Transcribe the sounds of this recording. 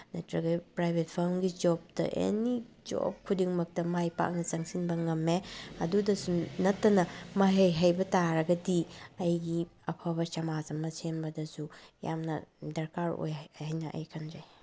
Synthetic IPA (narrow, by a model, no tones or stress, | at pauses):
nɐtɾɐɡɐpɾajbʱet̚pʰɐɾmɡid͡ʒɔp̚tɐ̰ʔḛni | d͡ʒo̰p̚kʰudiŋmɐk̚tɐmajpa̰k̚nɐzɐŋsinbɐŋɐmːeɐdudɐsunɐtːɐnɐmɐɦejɦɐjbɐtaɾɐɡɐdiɐjɡiɐpʰɐbɐt͡ʃɐmazɐmɐsenbɐdɐsuja̰mnɐ̰dɐɾkaɾo̰jhajnɐʔɐ̰jkʰɐnzaj